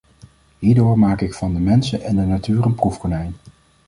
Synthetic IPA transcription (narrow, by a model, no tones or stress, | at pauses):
ɦiːɹdʊːɹmaːkɪkfɑndəmɛnsəʔɛndənatyːrənprufχonɛjn